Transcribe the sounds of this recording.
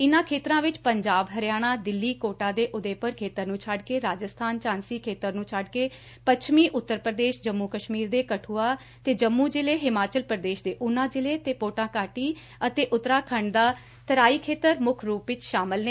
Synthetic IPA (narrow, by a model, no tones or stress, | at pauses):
ɪnãːkʰeːt̪ɾãːʋɪt͡ʃpəɲd͡ʒaːbɦəɾɪjaːɽ̃aːd̪ɪlːiːkoːʈãːd̪eːʔʊd̪eːpəɾkʰeːt̪əɾnũːt͡ʃʰəɖkeːɾaːd͡ʒəst̪ʰaːnt͡ʃãːnsiːkʰeːt̪əɾnũːt͡ʃʰəɖkeː | pət͡ʃʰmiːʔʊt̪ːəɾpɾəd̪eːʃd͡ʒəmːuːkəʃmiːɾd̪eːkəʈʰuːaː | t̪eːd͡ʒəmːuːd͡ʒɪleːɦɪmaːt͡ʃəlpɾəd̪eːʃd̪eːʔʊnãːd͡ʒɪleːt̪eːpoːʈãːkaːʈiː | ət̪eːʔʊt̪ɾaːkʰəɳd̪aː | t̪əɾaːiːkʰeːt̪əɾmʊkʰɾuːpʋɪt͡ʃʃaːməlne